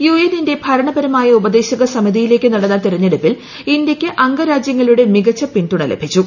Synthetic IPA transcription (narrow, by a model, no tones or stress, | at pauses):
jueninde̞bʱɐɾɐɳɐbɐɾɐmaːjɐubɐd̪e̞ːɕɐɣɐsɐmid̪ijile̞ːkːɨnɐɽɐnːɐt̪iɾɐɲːeɽupːil | indjekʲːɨʔɐŋɡɐɾaːd͡ʑjɐŋːɐɭuɽemiɣɐt͡ɕːɐpinɖuɳɐlɐ̰bʱit͡ɕːu